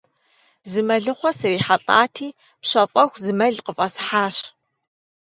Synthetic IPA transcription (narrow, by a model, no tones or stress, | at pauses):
zɨmɐɮɨχʷɔsɨriːħaɬʼa̰ːtʰiː | pɕɐfʼɐxʷzɨmɐɮqəfʼɐsħaːɕ